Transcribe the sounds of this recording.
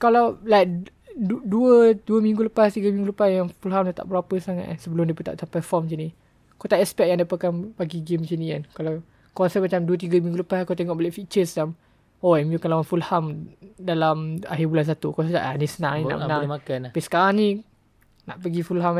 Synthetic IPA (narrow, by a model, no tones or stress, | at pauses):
kalawlajk̚ | duəduəmĩŋɡuləpast̪iɡəmĩŋɡuləpasjaŋfulɦamdat̪a̰ʔbəɾapəsaŋa̰t̪̚ansəbəlʊmdiəpət̪aʔt̪apəfɔmt͡ʃəni | kot̪aʔɛspɛk̚jaŋdapakanbaɡiɡemt͡ʃəniankalaw | kɔnsɛt̪̚mat͡ʃamduət̪̬iɡamĩŋɡuləpaskot̪eŋɔʔbəleʔfit͡ʃəsə̥t͡ʃam | ɔɛmjukalawanfulhamdalama̰ɦibulans̬at̪ukasəd͡ʒa̰ʔanisənãŋnĩəna̰ʔmnãmakanbisə̥kaɾaŋnĩ | na̰ʔpəɡifulɦam